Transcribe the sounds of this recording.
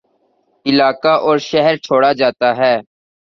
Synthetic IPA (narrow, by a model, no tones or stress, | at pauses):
ɪlaːkaʔɔːɾʃɛɦɛɾt͡ʃʰoːɽad͡ʒaːt̪aɦɛː